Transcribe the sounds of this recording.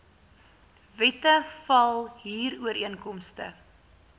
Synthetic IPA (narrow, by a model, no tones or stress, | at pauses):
vɛtəfɐlˠɦiːruəɾiənkɔmstə̰